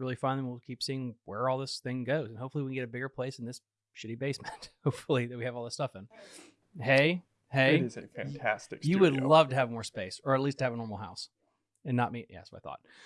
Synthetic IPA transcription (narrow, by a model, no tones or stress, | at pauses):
ɹɪlˠifãɪ̃nðɨ̃nwiwl̩ˠkʰipsiɪ̃ŋwə˞ɔlˠðɪsθɪ̃ŋɡoʊzɨ̃n̩hoʊpfl̩ˠiwikn̩ɡɛɾɨbɪɡə˞pʰl̥eɪsn̩ðɪs | ʃɪɾibeɪsmɨ̃nt̚hoʊpfl̩ˠiðɨt̚wiɨvɔlˠðɪstʌfɨ̃n | heɪ | heɪɾɨzɨfæ̰̃ntʰæstɨ̰kjɨwɨdˡlʌv̥tɨːvmɔɹspeɪsə˞ɨtˡlistʰɨɨvənɔɹml̩ˠɦaʊs | ɨ̃nːət̚mijæ̰sa̰ɪθɔ̰t̚